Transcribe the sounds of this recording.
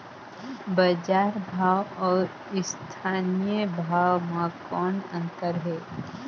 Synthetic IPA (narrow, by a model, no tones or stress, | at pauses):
bəd͡ʒaːɾbʱaːwɔːɾ | ɪst̪ʰaːnijəbʱaːwmãkɔːnə̰̃nt̪əɾɦɛː